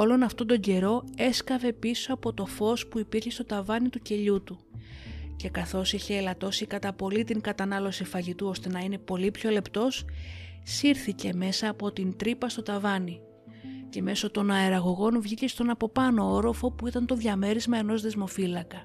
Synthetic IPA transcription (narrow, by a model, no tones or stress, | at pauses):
o̞lo̞nɐft̪o̞nd̪o̞ɲɟe̞ɾo̞e̞skɐve̞piso̞ɐpo̞t̪o̞fo̞spuipiɾçe̞st̪o̞t̪ɐvɐnit̪uce̞ʎut̪u | ce̞kɐθo̞siçe̞ːlɐt̪o̞sikɐt̪ɐpo̞lit̪iŋkɐt̪ɐnɐlo̞sifɐʝit̪uo̞st̪e̞nɐine̞po̞lipço̞le̞pt̪o̞ssiɾθice̞me̞sɐːpo̞t̪int̪ɾipɐst̪ot̪ɐvɐni | ce̞me̞so̞t̪o̞nɐeɾɐɣo̞ɣo̞nvʝice̞st̪o̞nɐpo̞pɐno̞oɾo̞fo̞puit̪ɐnt̪o̞ðʝɐme̞ɾizmɐe̞no̞zðe̞zmo̞filɐkɐ